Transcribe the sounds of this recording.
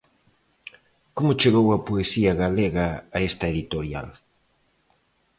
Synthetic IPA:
komʊt͡ʃeɣowɐpoesiɐɣaleɣaːest̪ɐeðit̪oɾja̰l

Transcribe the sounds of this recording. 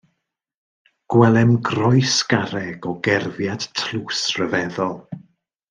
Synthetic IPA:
ɡ̥wɛlˠɛmɡrɔjsɡ̥aɾɛɡɔɡɛrvjad̥tʰluːsrəvɛðɔlˠ

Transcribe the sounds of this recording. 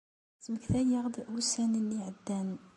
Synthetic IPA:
sməkθæjəʁd̪ʔusænəniʕəd̪ːæn

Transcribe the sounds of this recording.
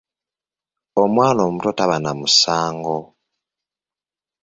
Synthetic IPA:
omwaːlomutotaβanamusaːŋɡo

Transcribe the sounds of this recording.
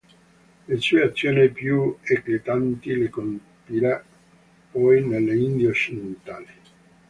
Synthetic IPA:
lesueat̪sːjoːnipjueklit̪ant̪ilikompiɾa | pɔjnelːeind̪jot͡ʃːid̪ent̪aːli

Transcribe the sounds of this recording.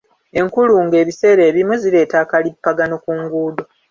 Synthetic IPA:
e̞ŋkuluŋɡe̞ːβise̞ːɾe̞ːβimuzile̞ːtaːkalipːaɡanokuŋɡuːdo

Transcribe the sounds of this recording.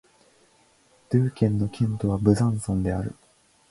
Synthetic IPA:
d̪̥ɯːkʲẽ̞nːo̞kʲʰẽnt̪o̞βabɯ̟zãɰ̃sõnd̪e̞aɾɯ̟̰

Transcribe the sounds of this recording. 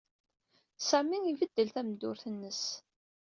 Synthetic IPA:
sæmiŋivəd̪ːəlθæmd̪ːʊɾθənːəs

